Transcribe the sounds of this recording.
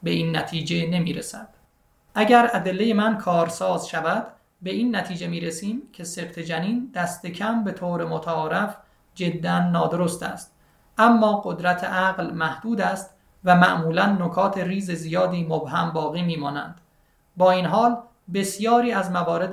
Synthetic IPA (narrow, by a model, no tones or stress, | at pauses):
be̞iːnːæt̪ʰiːd͡ʒe̞ne̞miːɾesæd̪̥ | ʔæɟæɾæd̪e̞lːe̞je̞mænkʰɒːɾsɒːzʃævæd̪̥ | be̞iːnːæt̪ʰiːd͡ʒe̞miːɾesiːmcʲʰe̞sebt̪ʰed͡ʒæniːnd̪̥æst̪ʰe̞cʰæmbe̞t̪ʰoːɾemot̪ʰæɒːɾæf | d͡ʒe̞d̪ːænːɒːd̪oɾost̪æ̰st̪̚ | ʔæmːɒːɡo̞d̪ɾæt̪ʰeʔæɣlmæhd̪̥uːd̪æst̪ | væmæ̰ʔmuːlænːokʰɒːt̪ʰe̞ɾiːze̞zijɒːd̪iːmobhæmbɒːɣiːmiːmɒːnæ̰nd̪̥ | bɒːiːnɦɒːl | be̞sjɒːɾiːæzmævɒːɾe̞d̪